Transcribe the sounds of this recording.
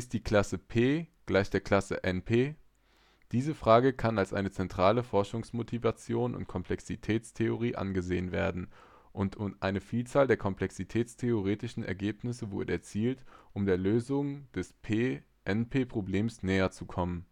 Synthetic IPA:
ɪst̚d̥iːkl̥asəpʰeːɡ̥laɪçd̥eːɐkʰl̥asə̰ʔɛnpʰeː | d̥iːzəfʁ̥aːɡəkʰanalsʔa̰ɪnət͡sɛntʁ̥aːləfɔɐʃʊŋsmotʰivat͡sjoːnʔʊ̰ntkʰɔmpl̥ɛksitʰɛːt͡stʰeoʁ̞iːʔa̰nɡəzeːənvḛːɐdn̩ | ʔʊntʰʊʔaɪnəfiːlt͡saːldeːɐkʰɔmpl̥ɛksitʰɛːt͡stʰeoʁ̞eːtɪʃn̩ɛ̰ɐɡeːpnɪsəvʊɐdəɛɐt͡siːltʔʊmdeːɐløːzʊŋd̥ɛspʰeː | ʔɛnpʰeːpʁ̥obleːmsnɛːɐt͡sukʰɔmən

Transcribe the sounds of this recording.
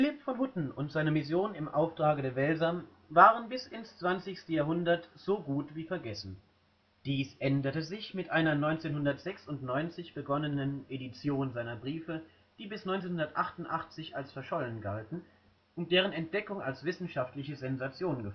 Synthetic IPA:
fɪlɪpfɔnhʊtn̩ʊntz̥aɪnəmɪs̬joːnɪmʔa̰ʊftʁ̥aːɡədɛːɐvɛlzɐm | vaːʁ̞ənbɪsɪnst͡sv̥ant͡sɪçstəjaːɦʊndɐtz̥oːɡuːtv̥iːfɛɐɡɛsn̩ | d̥iːsʔɛndɐtəzɪçmɪtʔaɪnɐnɔʏnt͡seːnhʊndɐtz̥ɛksʊntnɔʏnt͡sɪçb̥əɡɔnənənʔedit͡sjoːnzaɪnɐbʁiːfə | d̥iːbɪsnɔʏnt͡seːnhʊndɐtʔaχtʊntʔaχt͡sɪçalsfɛɐʃɔlənɡaltn̩ | ʔʊnt̚d̥eːʁ̞ənɛnt̚d̥ɛkʊŋalsv̥ɪsn̩ʃaftlɪçəzɛnzat͡sjoːnənɡə

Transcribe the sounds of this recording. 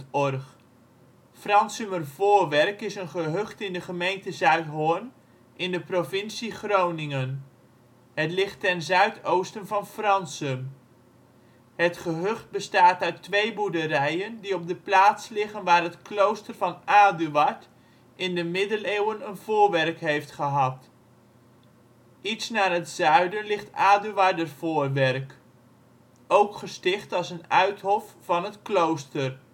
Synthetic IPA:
ɔrχ | frɑnsəmərvʊːɹʋɛrkɪsənχəɦøχtɪndəχəmejntəzœɥtɦon | ʔɪndəprovɪnsiχrownɪŋən | ɦətlɪχtːɛnzœɥtowstənvɑnfrɑnsəm | ɦətχəɦøχt̚bəstaːtœɥtʋejbudəɾɛjəndiɔb̚dəplaːtslɪχənʋaːrɦətklowstərvɑnaːdyʋɑt | ʔɪndəmɪdəlewənənv̥ʊːrʋɛrkɦejftχəɦɑt | itsnaːrɦətzœɥdənlɪχtaːdyʋadərv̥ʊːrʋɛrk | owkχəstɪχtɑlˠsənœɥtɦɔfːɑnɦətklowstər

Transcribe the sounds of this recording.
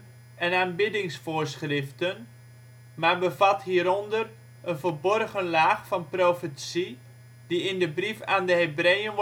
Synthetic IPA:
ɛnaːnbɪdɪŋsfʊːɹsχrɪftən | maːrbəvɑtɦiːəɾɔndər | ənvəlbɔrɣənlaːχfɑnprowfətsi | diɪndəbrifaːndəɦebrejən

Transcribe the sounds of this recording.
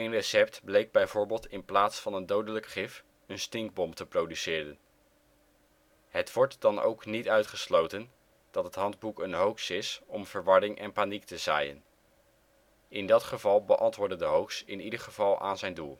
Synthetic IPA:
ejnrəsɛp̚tblejɡ̚bɛjvʊːɹbɪːlˠtɪnplaːtsfɑnəndowdələkχɪf | ənstɪŋɡ̚bɔmtəprowdysɪːrən | ɦətʋɔɹtd̥ɑno̰wknitœɥtχəslowtən | d̥ɑtɦətɦɑndbukənɦowksɪsɔmv̥əɹʋɑɹɪŋʔɛ̰npaːniktəza̰ːjə̰n | ɪndɑtχəvɑlˠbəʔɑntʋʊːɹdədəɦowksɪ̰nidəɹχəv̥ɑlˠa̰ːnzɛjndulˠ

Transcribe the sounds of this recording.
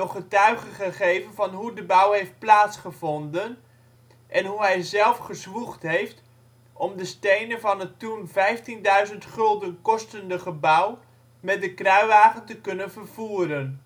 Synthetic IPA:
ɔχətœɥχəχəχejvənvɑnɦudəbʌwɦejft̚plaːtsχəvɔndən | ʔɛnɦuɦɛjzɛlˠfχəzʋuχtɦejft | ʔɔmdəstejnənvɑnətunvɛjftindœɥzəntχɵlˠdənkɔstəndəχəbʌw | mɛt̚dəkrœɥʋaːχəntəkɵnənvərv̥uːɾən

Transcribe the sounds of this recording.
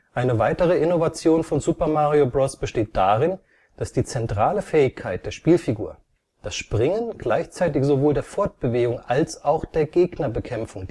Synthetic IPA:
ʔaɪnəvaɪtəʁ̞əɪnovat͡sjoːnfɔnzupɐmaːʁiobʁɔsb̥əʃteːt̚d̥aːʁɪn | d̥asd̥iːt͡sɛntʁ̥aːləfɛːɪçkʰaɪt̚d̥eːɐʃpiːlfiɡuːɐ | d̥asʃpʁ̥ɪŋənɡ̥laɪçt͡saɪtɪçz̥ovoːldeːɐfɔɐt̚b̥əveːɡʊŋalsaʊxd̥eːɐɡeːɡnɐbəkʰɛmfʊŋ

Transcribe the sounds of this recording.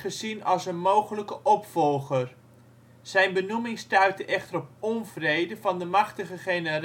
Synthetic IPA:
χəzinɑlˠsənmowχələkəʔɔpfɔlˠχər | z̥ɛjnbənumɪŋstœɥtəʔɛχtərɔp̚ɔnvrejdəvɑndəmɑχtəχəχejnər

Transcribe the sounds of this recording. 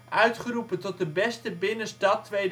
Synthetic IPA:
ʔœɥtχərupəntɔt̚dəbɛstəbɪnəstɑtːʋejd

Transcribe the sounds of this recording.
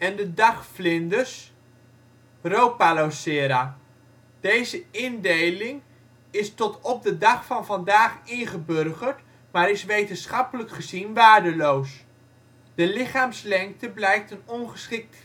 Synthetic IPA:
ɛndədɑχflɪndəs | rowpalosɪːɾa | d̥ejzəɪndejlɪŋ | ɪstɔtɔb̚dədɑχfɑnvɑndaːχɪnχəbørχəɹt | maːɾɪsʋejtənsχɑpələkχəzinʋaːɹdəlows | d̥əlɪχaːmslɛŋk̚təblɛjk̚tənɔnχəsχɪk̚t

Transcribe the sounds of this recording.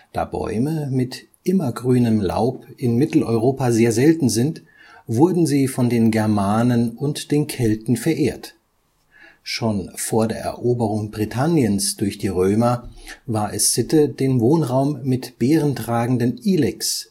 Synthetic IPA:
d̥a̰ːbɔ̰ʏməmɪt | ʔɪmɐɡʁyːnəmla̰ʊpʔɪnmɪtl̩ʔɔʏʁoːpazeːɐzɛltn̩zɪnt | v̥ʊɐdn̩ziːfɔndeːnɡɛɐmaːnənʊntd̥eːnkʰɛltn̩fɛɐʔeːɐt | ʃoːnfoːɐdeːɐɛ̰ɐʔoːbəʁ̞ʊŋbʁitʰanjənsd̥ʊɐçd̥iːʁøːmɐvaːɐʔɛsːɪtədeːnvoːnʁaʊmːɪtb̥eːʁəntʁ̥aːɡŋ̩dəniːlɛks

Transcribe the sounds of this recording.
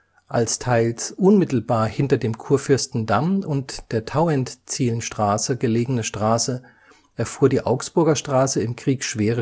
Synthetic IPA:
ʔalstʰaɪlsʔʊnmɪtl̩baːɐhɪntɐdeːmkʰuːɐfʏɐstn̩damʊntd̥eːɐtʰaʊɛntt͡siːlən̩ʃtʁ̥aːsəɡəleːɡənəʃtʁ̥aːsə | ʔɛɐfuːɐdiːʔaʊksb̥ʊɐɡɐʃtʁ̥aːsəɪmkʁ̥iːkʃv̥eːʁə

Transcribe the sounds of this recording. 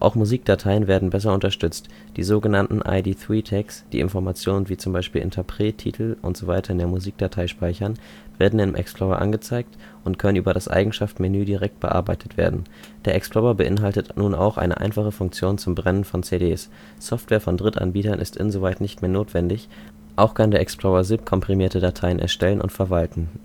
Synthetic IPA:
ʔa̰ʊxmuziːk̚d̥atʰaɪənveːɐdn̩bɛs̬ɐʊntɐʃtʏt͡st | d̥ḭːzoːɡənantn̩ʔa̰ɪdiːθʁ̥iːtʰɛksd̥ḭːʔɪ̰nfɔɐmat͡sjoːnənviːt͡sʊmbaɪʃpiːlʔɪ̰ntʰɐpʁ̥eːtʰːḭːtʰl̩ʔʊ̰ntz̥oːvaɪtʰɐɪndeːɐmuziːk̚d̥atʰaɪʃpaɪçɐn | v̥eːɐdn̩ɪnmʔɛ̰ksplɔʁɐ̰ʔa̰nɡət͡saɪk̚t | ʔʊntkʰœnənʔyːbɐɾasʔa̰ɪɡŋ̩ʃaftmɪnyːdiʁɛk̚t̚b̥ə̰ʔa̰ɐbaɪtʰə̥tv̥ḛːɐdn̩ | d̥eːɐʔɛksplɔʁɐbəʔɪnɦaltətʰnuːnʔa̰ʊxʔa̰ɪnə̰ʔa̰ɪnfaχəfʊŋkt͡sjoːnt͡sʊmbʁɛnənfɔnt͡sedeːs | sɔftv̥ɛːɐfɔndʁɪtʔa̰nbiːtɐnʔɪ̰stʔɪ̰nzovaɪtnɪçtmeːɐnoːtv̥ɛndɪç | ʔaʊxkʰandeɐʔɛksplɔʁɐzɪp̚kʰɔmpʁ̥imiːɐtədatʰaɪənʔɛ̰ɐʃtɛlənʔʊ̰ntfɛɐvaltn̩

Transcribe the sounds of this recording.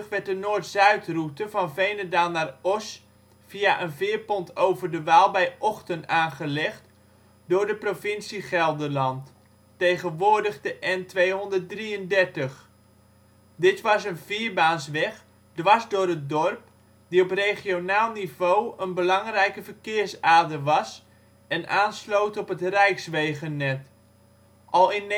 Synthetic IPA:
χʋɛɹt̚ənoːrtsœɥtrutəvɑnvejnədaːlˠnarɔs | fiaʔənvɪːɹpɔntʰowvərdəʋaːlˠbɛjʔɔxtəntaːnχəlɛχt | dʊːɹdəprofɪnsiχɛlˠdəlɑnt | tejχənʋʊːɹdəχdəʔɛntʋejɦɔndərt̚driəndɛrtəχ | dɪtʋɑsənviəɹbaːnsʋɛχ | dʋɑsdʊːɾət̚dɔrp̚ | diɔpreχionaːlˠnivoːənbəlɑŋrɛjkəvərkɪːrsaːdəʋɑs | ɛnʔaːnslowtɔpətrɛjksʋeːɣənːɛt | ʔɑlˠɪn

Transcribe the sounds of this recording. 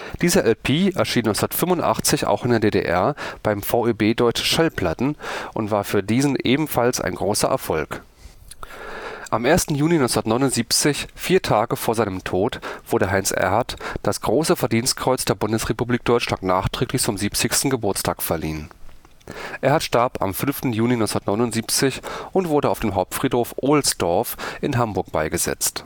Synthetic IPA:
d̥iːzɐʔɛlpʰiːɛɐʃiːnːɔʏt͡ssndɐtfʏmvʊntʔa̰χt͡sɪça̰ʊxɪndeːɐdeːdḛːʔɛ̰ɐb̥aɪmfaʊebeːdɔʏt͡ʃn̩ʃalpʰl̥atn̩ʔʊntv̥aːɐfyːɐdiːzn̩ʔeːbm̩falsʔa̰ɪnɡʁoːsɐ̰ʔɛ̰ɐfɔlk | ʔamʔeːɐstn̩juːlinɔ̃nt͡ssʊnɐtnɔʏnʊntz̥iːpt͡sɪçfiːɐtʰaːɡəfoːɐzaɪnəmtʰoːtv̥ʊɐdəɦaɪnsʔɛ̰ɐɦaɐtd̥asɡ̥ʁoːsəfɛɐdiːnst̚kʁ̥ɔʏt͡sd̥eːɐbʊndəsʁ̥epubliːk̚d̥ɔʏt͡ʃlantnaːχtʁ̥ɛːklɪçt͡sʊmziːpt͡sɪçstn̩ɡəbʊɐt͡stʰaːkfɛɐlḭːən | ʔeːɐhatʃtaɐpa̰mfʏnftn̩juːlinɔʏsnɐtnɔʏnʊntziːpt͡sɪçʔʊntv̥ʊɐɾəaʊfd̥eːmɦaʊp̚tfʁ̥iːthoːfʔoːlsd̥ɔɐfʔɪnɦambʊɐk̚b̥aɪɡəzɛ̰t͡st

